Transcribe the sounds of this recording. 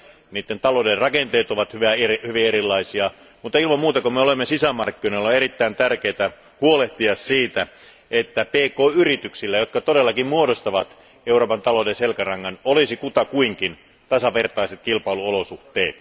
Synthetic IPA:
niːt̪ːent̪ɑloderɑkent̪eːt̪oʋɑt̪hyʋæerhyʋieɾilːɑisiɑ | mut̪ːɑilmɑmuːt̪ɑkomeolemːesisæmɑrkːinoilːɑeɾit̪ːæint̪ærkeːt̪æ | huoleht̪iɑssiːt̪æ | et̪ːæpeːkoːyrit̪yksilːæjot̪kɑt̪oɾelːɑkimmuoɾost̪ɑʋɑt̪ | euroːpɑnt̪ɑlodenselkærɑŋːɑnolisikut̪ɑkuiŋkin | t̪ɑsɑʋe̞rt̪ɑiset̪̚kilpɑiluolosuht̪eːt̪

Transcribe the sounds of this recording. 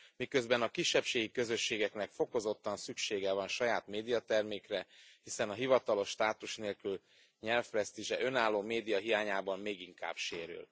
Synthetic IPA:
mikø̞zbɛnɒkiʃːɛpʃeːɡikø̞zø̞ʃːeːɡɛknɛkfo̞ko̞zo̞t̪ːɒnsykʃeːɡɛvɒnʃɒjaːt̪meːd̪ijɒt̪ɛrmeːkrɛhisɛnɒɦivɒt̪ɒlo̞ʃːt̪aːt̪uʃneːlkyl | ɲɛlfɾɛst̪iʒɛʔø̞naːlːoːmeːd̪ijɒɦijaːɲaːbɒmmeːɡiŋka̰ːbʃeːɾy̰l

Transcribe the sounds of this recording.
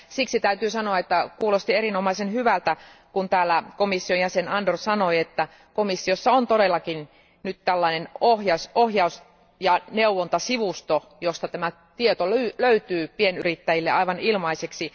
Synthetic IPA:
siksit̪æyt̪yːsɑnoɑet̪ːækuːlost̪ierinomɑisenhyʋælt̪ækunt̪æːlːækomisːionjæsenɑndorsɑnoiet̪ːæ | komisːiosːɑont̪oɾelːɑkin | nyt̪t̪ælːɑinenohjɑsohjɑus | jɑneuʋont̪ɑsiʋust̪o | jost̪ɑt̪æmæ | t̪iet̪olyløyt̪yːpienyrit̪ːæjilːeʔɑiʋɑnilmɑiseksi

